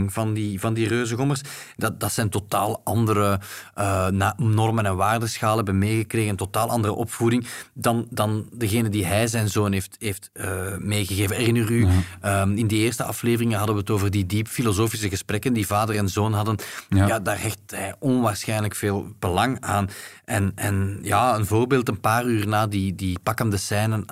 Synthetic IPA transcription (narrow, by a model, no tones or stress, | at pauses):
ŋvɑndivɑndirøːzəɣɔmərsdɑdɑtsɛjntota̰ːlˠʔɑndəɾəənanɔrmənɛnʋaːrdəsxaːləɛbənmeːɣəkreːɣənɛntotaːlˠɑndərə̰ʔɔpfudɪŋdɑndɑndəɣeːnəndiɦɛjzɛjnzoːnɦeːftɦeːftəmeːɣəɣeːvənɛrɪnəryəɪndieːrstəɑ̰fleːvərɪŋənɦɑdənʋəɦətoːvərdidipfilozoːfisəɣəsprɛkəndivaːdərɛnzoːnɦɑdənjaːdaːrɦɛxthɛjɔnʋaːrsxɛjnləkfeːlˠb̥əlɑŋaːnʔɛnɛnjaːənvoːrbeːlˠtənpaːryːrnaːdidipɑkəndəsɛjnən